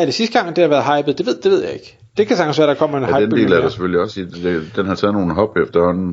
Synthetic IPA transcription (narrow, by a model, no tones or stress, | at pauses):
æd̥e̝sisd̥əɡ̥ɑ̈ŋ̰d̥ehɑʋæːɐðˠɦɑ̈ɪ̰b̥ð̩ˠd̥e̝ʋe̝ð̞̰ˠd̥e̝ʋe̝ð̰ˠjɑ̈e̝ɡ̥ | d̥e̝kʰæsɑ̈ɡ̥n̩sʋæɐd̥ɑ̈kʰɒ̽m̰ɐenɑ̈ɪdende̝̰ːlæ̥esefølliɒ̽si̥ed̥enɦɑ̈t͡sʰɛð̩̰ˠno̝ːn̩ɦɒ̽b̥efd̥ɐhɒ̽n̰n̩